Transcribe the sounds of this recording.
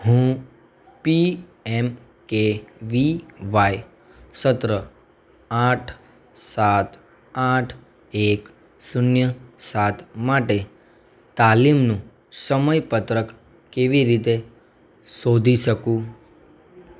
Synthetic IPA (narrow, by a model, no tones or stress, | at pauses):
hũ | piɛm | keʋiʋaj | sət̪ɾə | aʈʰ | sat̪ | aʈʰ | ek | sunjəsat̪ʰmaʈe | t̪alimnũ | səməjpət̪ɾək | keʋiɾit̪e | sod̪ʱiʃəkũ